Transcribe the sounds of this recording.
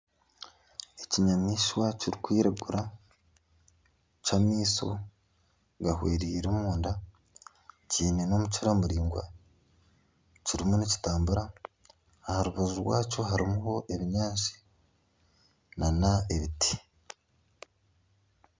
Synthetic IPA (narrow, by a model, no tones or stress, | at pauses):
eciɲamiːʃwaciɾikwiːɾaɡuɾa | t͡ʃamiːso̞̰ | ɡahweːɾiːɾomuːnda | ciːneno̞mut͡ʃiɾamuɾiːŋɡwa̰ | ciɾimunici̥taːmbuɾaː | haɾuβazuɾwaːt͡ʃo̞ɦaɾimuho̞ʔe̞βiɲaːnʃi̥ | nanae̞βitʰi̥